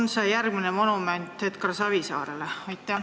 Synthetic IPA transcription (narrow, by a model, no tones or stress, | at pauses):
nseːjærɡ̥̚minemo̞numenʲt̪ˑhet̪kɑrsɑvisɑ̰ːɾeleɑjt̪ːˑæ